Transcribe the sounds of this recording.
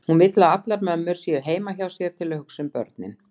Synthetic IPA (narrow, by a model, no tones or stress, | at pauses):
hunvɪt̪laat̪laɾmœmːʏɾ̥sjɛɦeːjmaçawsjɛɾ̥t̪ʰɪlhʏksʏmpœ̰ɾt̪nɪ̰n